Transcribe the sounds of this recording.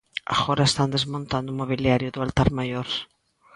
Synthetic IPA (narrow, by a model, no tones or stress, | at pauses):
a̰ɣoɾaest̪and̪ezmõnt̪and̪ʊumoβiljaɾjʊðʊalt̪aɾmajoɾ